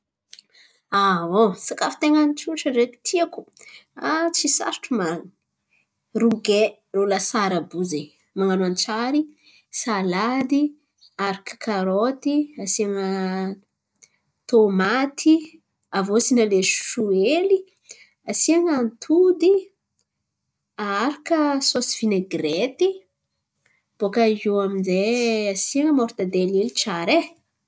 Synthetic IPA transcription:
awosakafi̥t̪eŋanit͡ʃuʈ͡ʂəɖ͡ʐek̪i̥t̪ʰiaku̥at͡sisa̰ɾʈ͡ʂumaŋ | ruɡe | lolasaɾabuze | maŋanuant͡saɾi | salad̪i | aɾiki̥kʰaɾot̪iasiaŋə | t̪omat̪ʰi | avosinaleʃʃueli | asiaŋant̪ʰud̪i | aaɾakəsosi̥v̥ineɡɾet̪i | b̥okaɦuaminzeasiaŋəmoɾt̪ad̪elelit͡ʃaɾe

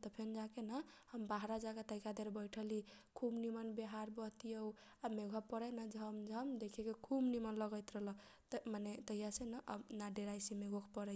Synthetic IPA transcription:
t̪əpʰend͡ʒakenə | həmbaɦɾad͡ʒakat̪əkad̪eɾbəjʈʰəlikʰumnimənbeɦaɾbəɦt̪ijəw | ameɡʱəpːəɾəjnad͡ʒʱəmd͡ʒʱəmd̪ekʰekekʰumnimənləɡəjt̪ɾəɦlə | manet̪əijasenəʔə̰naɖeɾajsimeɡʱokʰpəɾɛ

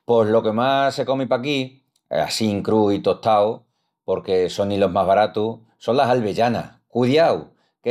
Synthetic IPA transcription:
poɦlo̞ke̞mase̞ko̞mipaki | a̰siŋkɾuit̪o̞t̪aw | po̞ɾke̞so̞nːilo̞ɦmaɦβaɾat̪u | so̞nlasalβe̞ʝana̰ | kuðjaw | ke

